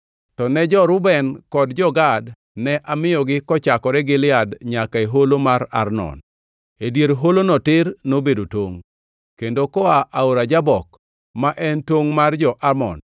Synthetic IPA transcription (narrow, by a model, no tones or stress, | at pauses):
tɔnɛd͡ʒɔɾʊbɛnkɔdd͡ʒɔɡad | nɛʔamɪjɔɡɪkɔt͡ʃakɔɾɛɡɪlɪadɲakaeɦolomaɾa̰rnɔ̰n | edjeɾɦolonɔtɪrnobedotoŋ | kendokɔaʔaoɾad͡ʒabɔk | maʔɛntwoŋmard͡ʒɔʔamɔ̰n